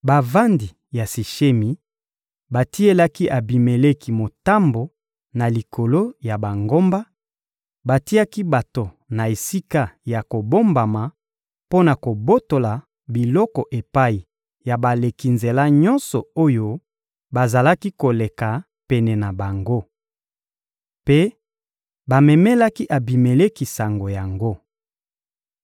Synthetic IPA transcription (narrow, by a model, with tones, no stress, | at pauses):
ba˨va˦ndi˨ | ja˨si˨ʃe˦mi˨ | ba˨ti˦e˦la˦ki˦ʔa˨bi˨me˨le˦ki˦mo˨ta˦mbo˨ | na˨li˨kʰo˨lo˦ja˨ba˨ŋɡo˦mba˦ | ba˨ti˦a˦ki˦ba˨to˨ | na˨e˨si˦ka˦ja˨ko˨bo˦mba˨ma˨ | po˦na˨ko˨bo˦to˨la˨ | bi˨lɔ˦kɔ˨ʔe˨pa˦i˨ | ja˨ba˨le˨ki˨nze˨la˦ɲɔ˦nsɔ˨o˦jo˦ | ba˨za˨la˦ki˦ko˨le˨ka˨ | pɛ˨nɛ˨na˨ba˨ŋɡo˦ | pe˦ | ba˨mɛ˨mɛ˦la˦ki˦ʔa˨bi˨me˨le˦ki˨sa˨ŋɡo˨ja˨ŋɡo˦